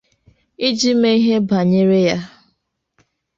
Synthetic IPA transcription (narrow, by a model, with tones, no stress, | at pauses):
i˦d͡ʒi˦me˦i˦ɦe˦ba˨ɲe˦ɾe˦ja˦